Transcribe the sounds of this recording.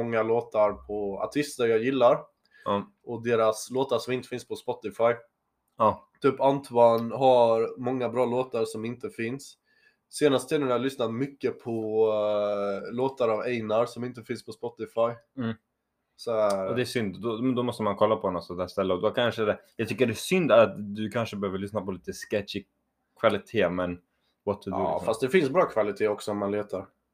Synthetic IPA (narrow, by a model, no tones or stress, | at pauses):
ɔŋːaloːt̪aɾpʰɔa̰ʈʰɪst̪əɾjɑːɡjɪlːaɾ | ʔɔd̪eːɾasloːt̪aʂɔmɪnt̪ə̥fɪnspʰɔspɔt̪ːɪfaj | ɑt̪ʰyːpant̪ʰanɦaɾmɔŋːabɾɑːloːt̪aɾʂɔmɪnt̪əfɪnsː | eːnast̪ʰɛːnɪnajalʏsnat̪mʏkːəpʰɔ | loːt̪aɾavɛjnaɾsɔmɪnt̪əfɪnspʰɔspɔt̪ːɪfajm̩ː | sɔæɔd̪ɛːʂʏnd̪d̪ɔmɛnd̪ɔmɔst̪əmankʰɔlːapʰɔnɔt̪sɔnt̪ʰæːʂt̪ɛlːəɔd̪ɔkʰanʂəd̪ɛjɑɡt̪ʰʏkːəɖɛæsʏnd̪aɾat̪d̪ɵkʰanʂəbɛhøːvəɭʏsnapʰɔliːt̪əskɛtʂɪ | kʰvalɪt̪ʰeːmɛn | vat̪ʰɵd̪ʉ̰fast̪d̪ɛfɪnsbɾɑːkʰvalɪt̪ʰeːɔksɔɔmmanleːt̪aɾ